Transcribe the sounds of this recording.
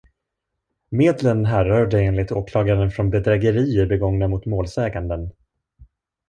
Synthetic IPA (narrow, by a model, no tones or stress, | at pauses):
meːd̪lənɦæɾœːɖɛeːnlɪk̚t̪oːkʰlɑːɡaɾənfɾɔnbɛd̪ɾɛɡəɾiːəbɛɡɔŋnamʊt̪moːlsɛːɡand̪ən